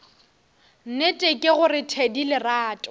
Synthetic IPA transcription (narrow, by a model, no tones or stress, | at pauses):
n̩netʼekʼɪɣʊrɪtʰedilɪraːtʼʊ